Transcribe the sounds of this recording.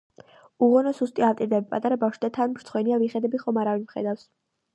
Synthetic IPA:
uʁɔnɔsust̪ʼiavt̪ʼiɾd̪ɛbpʼat̪ʼaɾabafʃd̪at̪ʰanmɾt̪sχwɛniaviχɛd̪ɛbiχɔmaɾavinmχɛ̰d̪afs

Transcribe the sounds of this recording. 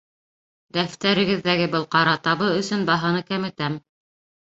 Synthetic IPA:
ɡ̪æft̪æɾɘ̆ɡɘ̆ðːæɡɘbɤlˠqɑɾɑt̪ɑβɤɵ̆sɵnbɑɦɤ̆nɤkæmɘ̆t̪æm

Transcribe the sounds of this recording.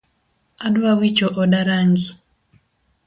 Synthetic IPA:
aɗwawit͡ʃɔʔɔɗaɾaŋɡi

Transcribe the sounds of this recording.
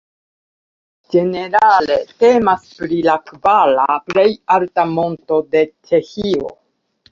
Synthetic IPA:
d͡ʒe̞ne̞ɾale̞te̞maspɾilakvalaple̞jaltamo̞nto̞de̞t͡ʃe̞çio̞̰

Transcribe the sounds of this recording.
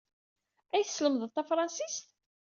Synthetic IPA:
æjθəsːləməðˤəðt̪æfɾˤɑnsist̪

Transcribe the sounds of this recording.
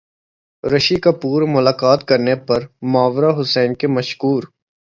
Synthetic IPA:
ɾɐʃikapuːɾmʊlaːkaːt̪kɐɾnepɐɾmaːʋɾaɦʊsɛːnkemɐʃkuːɾ

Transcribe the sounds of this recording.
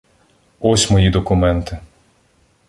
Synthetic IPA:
ɔsʲmɔjid̪ɔkʊmɛnt̪ɪ

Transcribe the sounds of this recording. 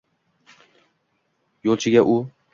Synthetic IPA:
jolˠt͡ʃʰɪɡʲaʔʊ

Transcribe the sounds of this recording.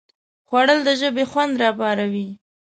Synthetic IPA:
xwaɽəld̪əʒəbexwand̪ɾɑbɑɾawi

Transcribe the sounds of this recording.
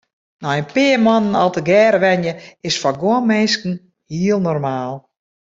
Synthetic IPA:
nɔjənpɪːəmɔnənɔlˠtəɡɛːɾəʋɛnjəɪsfɔɡoənmeːskn̩ | hiəlˠnɔrmaːlˠ

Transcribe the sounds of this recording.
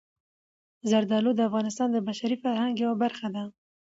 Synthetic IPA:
zaɾd̪ɑlod̪əafɣɑnɪs̬t̪ɑnd̪əbaʃaɾifaɾhaŋɡjawabaɾxad̪a

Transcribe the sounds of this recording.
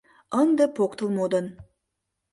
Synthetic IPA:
ənd̪əpʰoqt̪əlˠmod̪ən

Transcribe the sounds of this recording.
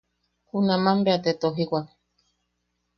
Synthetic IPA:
kunãmãmbeat̪et̪oɦikʷa

